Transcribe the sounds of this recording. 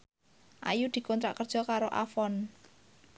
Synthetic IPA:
ʔa̰jud̪̥i̤kɔnt̪ɾa̰ʔkərd̥ʒ̥ɔ̤kaɾoʔafɔn

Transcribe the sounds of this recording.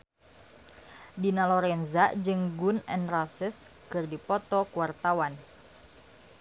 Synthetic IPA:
dinalɔɾɛnzaʔd͡ʒɨŋɡunɛ̰nrasəskɨrdipɔt̪ɔkuwart̪awan

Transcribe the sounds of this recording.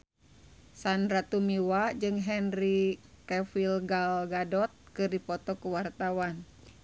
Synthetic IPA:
sandɾat̪umiwad͡ʒɨŋɦɛnrikɛfilɡalɡadɔt̪̚kɨrdipɔt̪ɔkuwart̪awan

